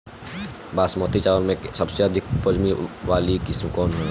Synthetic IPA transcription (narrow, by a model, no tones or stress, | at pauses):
baːsmɔt̪it͡ʃaːləlmẽsɐbseəd̪ʱɪk̚pəd͡ʒmiʋaːlikɪsmkɔːnɦo